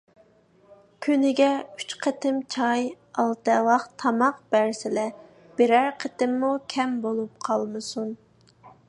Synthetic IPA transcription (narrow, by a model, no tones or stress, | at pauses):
kʲʰynɪɡʲɛyt͡ʃqʰət̪ʰɪmt͡ʃʰɑj | ɑlˠt̪ɛlˠɑqt̪ʰɑmɑqb̥æɾsɪlɛ | b̥eɾæɾqʰət̪ɪmːukʲʰɛmbolˠup̚qʰɑlˠmɨsun